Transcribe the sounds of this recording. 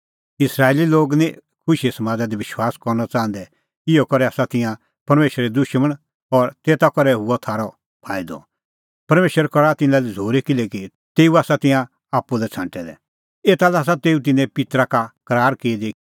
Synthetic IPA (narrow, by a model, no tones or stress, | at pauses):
ɪsɾaːeliloːɡnikʰʊʃiɛsɐmãːd͡zad̪iʋɪʃwaːskɔɾnat͡sãːnd̪ɛ | ɪjɔkɔɾɛaːsat̪ɪ̃jã | pɐɾmeːʃəɾɛd̪ʊʃməɽ̃ | ɔɾt̪eːt̪akɔɾɛɦʊɔt̪ʰaːɾɔ | pʰaːid̪ɔ̰ | pɐɾmeːʃwəɾkɔɾat̪ɪ̃nãlid͡zʱoːɾikɪlɛki | t̪eːuaːsat̪ɪ̃jã | aːpːulɛt͡sʰãːɳʈɛd̪ɛ̰ | eːt̪alɛaːs̬at̪eːut̪̬ɪnɛ̃pɪt̪ɾakakɐɾaːɾkeːd̪i